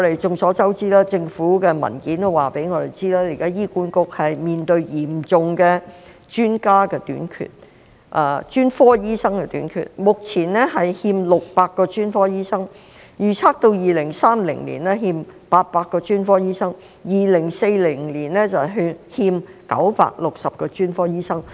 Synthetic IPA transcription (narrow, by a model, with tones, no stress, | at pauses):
ɔ˨˧ɾe˨˩jt͡sʊ˨ŋsɔː˨˥t͡sɐ˥wt͡siː˥laː˥t͡sɪ˧ŋfuː˨˥kɛː˧mɐ̰˨˩nkiː˨˥nt̪o˥waː˨˩pe˨˥jŋɔː˨˧t̪e˨˩jt͡siː˥laː˥ji˨˩kaː˥jiː˥kuː˨˥nkʊ˨k̚hɐ˨jmiː˨nt̪ɵ˧ɥjiː˨˩mt͡sʊ˨ŋkɛː˧ | t͡ʃyː˥nkaː˥kɛː˧t̪y̰ː˨˥nkʰy̰˨t̚ | ʔa˧t͡ʃyː˥nfɔː˥jiː˥sɐ˥ŋkɛ˧t̪y̰ː˨˥nkʰy̰˨t̚mʊ˨k̚t͡sʰiː˨˩nɛ˥ɦɐ˨jhiː˧mlʊ˨k̚paː˧kːɔː˧t͡ʃyː˥nfɔː˥jiː˥sɐ˥ŋ | jyː˨˩t͡sʰaː˥k̚t̪o˧wjiː˨lɪ˨˩ŋsaː˥mlɪ̰˨˩ŋlḭ˨˩nɛ˥ɦiː˧mpaː˧t̚paː˧kːɔː˧t͡ʃyː˥nfɔː˥jiː˥sɐ˥ŋ | jiː˨lɪ˨˩ŋse˧jlɪ˨˩ŋliː˨˩nlɛ˥t͡sɐ˨˩ɦhiː˧mkɐ̰˨˥wpa̰ː˧k̚lʊ˨k̚sɐ˨p̚kɔː˧t͡ʃyː˥nfɔː˥jiː˥sɐ˥ŋ